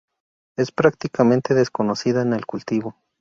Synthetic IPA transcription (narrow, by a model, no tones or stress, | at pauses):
e̞spɾak̚t̪ikamẽ̞nt̪eðeskono̞siðaene̞lkult̪iβo